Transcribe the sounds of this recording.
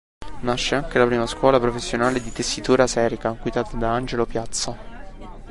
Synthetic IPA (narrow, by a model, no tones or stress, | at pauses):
naʃːeaŋk̟elapɾiːmaskwɔːlapɾofesːjonaːled̪it̪esːit̪uːɾasɛːɾikaɡwid̪aːt̪ad̪aand͡ʒelopjat̪sːa